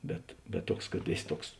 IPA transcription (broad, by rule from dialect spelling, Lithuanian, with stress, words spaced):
ˈbʲɛt bʲɛt ˈtuɔks kɐt ˈeːˌsʲɪ ˈtuɔks